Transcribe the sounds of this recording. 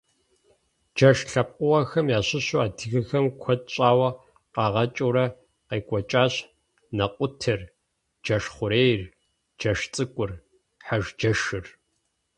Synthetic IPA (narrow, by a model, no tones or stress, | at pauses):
d͡ʒɐʃɬɐp̚ʼqʼʊwɐxɐmjaːɕɪɕuaːdɨɣɨxɐmkʷʰɔtʼɕʼaːwɐ | qɑːʁɐt͡ʃʼuːɾɐ | qeːkʷʼɔt͡ʃʼaːɕ | nɐqʷʼʊtʰɨr | d͡ʒɐʂχʷʊɾeːjr | d͡ʒɐʂt͡sʼɨkʷʼʊr | ħaʒd͡ʒɐʃɨr